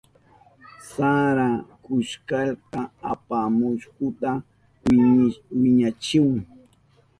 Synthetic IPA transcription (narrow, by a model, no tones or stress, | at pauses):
saɾakʊʃkɑʎqɑapamʊʃkʊt̪a | wɪɲat͡ʃɪwaŋ